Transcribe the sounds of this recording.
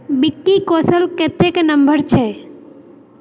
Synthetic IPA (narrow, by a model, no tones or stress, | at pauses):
bɪkːikoːsəlket̪eknəmbəɾt͡ʃʰɛ